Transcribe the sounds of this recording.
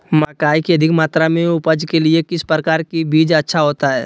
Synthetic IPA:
maːkaːikiɐd̪ʱɪkmaːt̪ɾamẽʊpəd͡ʒkeliekɪspɾəkaːɾkibiːd͡ʒɐtːʃʰaɦoːt̪aɦɛ̰ː

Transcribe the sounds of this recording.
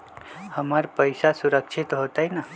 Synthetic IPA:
həmaɾpəjsasuɾəkʃʰit̪ɦot̪ajna

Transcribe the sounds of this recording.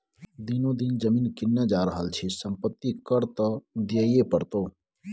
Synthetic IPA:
d̪inod̪ind͡ʒəmiːnkɪnːed͡ʒaɾəɦəlt͡ʃʰisəmpət̪ːikəɾt̪əd̪iəjepəɾt̪o

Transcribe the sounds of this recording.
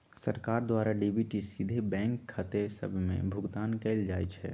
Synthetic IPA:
sə̰ɾkaːɾd̪waːɾaɖibʱiʈisid̪ʱebɛ̃ːŋkʰːət̪esə̰bʱmḛ̃bʱʊɡt̪aːnkeɪld͡ʒaːit͡ʃʰɛ̰ː

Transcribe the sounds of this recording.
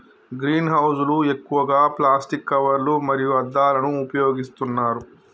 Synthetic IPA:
ɡɾiːnɦɐwsulue̞kːuʋɐɡaːplaːsʈikːɐʋɐɾlumɐɾijuɐd̪ːaːlɐnuːpɐjoːɡist̪unːaːɾu

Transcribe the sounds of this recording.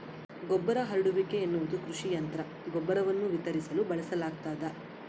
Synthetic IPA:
ɡɔbːɐɾɐɦɐɾɖuʋikeːnːuʋud̪ukɾuʃijɐnt̪ɐɾɐ | ɡɔbːɐɾɐʋɐnːuʋit̪ɐɾisɐlubɐɭɐsɐlaːɡ̚t̪aːd̪ɐ

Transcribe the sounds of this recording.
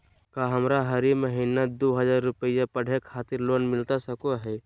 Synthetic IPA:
kaːɦəmɾaɦəɾiməɦiːnad̪oɦəzaːɾːʊpəjapəɽ̤ekʰaːt̪ɪɾloːnmɪlt̪asəkoɦɛː

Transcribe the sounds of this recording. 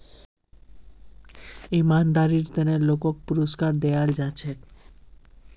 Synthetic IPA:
imand̪aɾiɾt̪enelokok̚puɾoskaɾd̪eald͡ʒat͡ɕʰe

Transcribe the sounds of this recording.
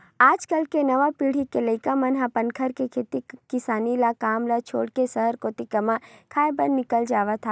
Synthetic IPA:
aːd͡ʒkəlkenɐʋapiːɽ̤ikeləɪkamɐnɦapɐnkʰəɾkekʰeːt̪ikɪsaːnilakaːmlat͡ʃʰo̰ːɽkesɐɦəɾkoːt̪ikɐmãkʰaːebənnːɪkəld͡ʒaːʋat̪ʰaː

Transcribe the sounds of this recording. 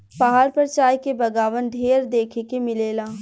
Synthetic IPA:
baːɦaɾpəɾt͡ʃaːjkebɐɡaːʋənɖʱeːɾd̪eːkʰekemɪleːlaː

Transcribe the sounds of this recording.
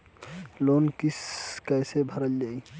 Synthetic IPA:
lonkiskajsebʱəɾəld͡ʒai

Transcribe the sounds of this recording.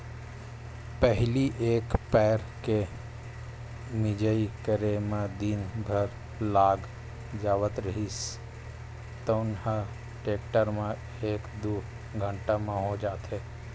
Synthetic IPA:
pəɦliʔeːkpɛːɾ | ke | mɪd͡ʒəikəɾemẽd̪inbʱəɾ | laːɡ | d͡ʒaːʋət̪ɾəɦis | t̪oʊnhə | ʈeːkʈəɾmẽ | eːkd̪uː | ɡʱə̃ɳʈamẽɦod͡ʒaːt̪eː

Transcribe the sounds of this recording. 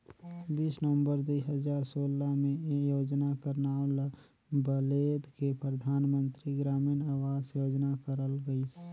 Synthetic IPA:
biːsnəʋə̃mbəɾd̪uiɦəzaːɾsoːlamẽjoːd͡ʒnakəɾnaːl | bəleːd̪kepɾəd̪ʱaːnmə̃nt̪ɾiɡɾaːminaːwaːzjoːd͡ʒnakəɾəlɡəis

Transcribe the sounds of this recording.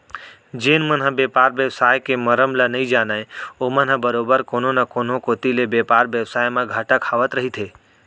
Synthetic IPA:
d͡ʒeːnmənɦəbeːpaːɾʋjəʋsaːjkeməɾəmlanəɦĩd͡ʒaːnaːeoːmənɦəbəɾoːbəɾkoːnonakoːnõkoːt̪ilebepaːɾʋjəʋsaːjmãɡʱaːʈãkʰaːʋət̪ɾəɦit̪ʰeː

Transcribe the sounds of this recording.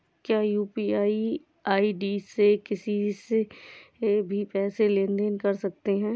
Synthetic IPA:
kjaːjuːpiaːi | aːiɖiːsekɪsise | bʱipɛːselẽːnd̪enkɐɾsɐk̚t̪eɦɛ̃ː

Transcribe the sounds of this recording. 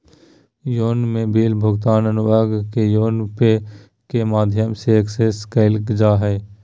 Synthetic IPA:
joːnmẽbiːlbʱʊɡt̪aːnənʊbaːɡkejoːnpe | kemaːd̪ʱjəmseːkseskaɪlkd͡ʒaːɦɛː

